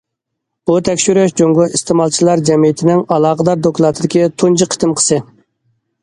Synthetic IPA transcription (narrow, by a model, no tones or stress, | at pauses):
but̪ʰɛkʲʃyɾøʃd͡ʒoŋɡʊist̪ɨmɑlˠt͡ʃʰilˠɑɾd͡ʒɛmijɪt̪ʰɪnɪŋɑlˠɑːʁəd̪ɑɾd̪oklˠɑt̪ʰɨd̪ɪkʲit̪ʰunt͡ʃʰiqʰə̥t̪ʰɨmqʰə̥sɨ